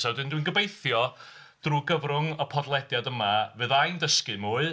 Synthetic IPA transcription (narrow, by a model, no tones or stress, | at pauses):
sadɨndwinɡəbejθjɔ | d̥ruːɡəvrʊŋɔpʰɔdlˠɛdjadəmavɨːðajndəskɨmuːɨ